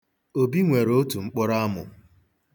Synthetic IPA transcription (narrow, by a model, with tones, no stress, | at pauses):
o˨bi˦ŋʷe˨ɾo˦tu˨ŋ͡m̩˦k͡pʊ˦ɾa˦mʊ̰˨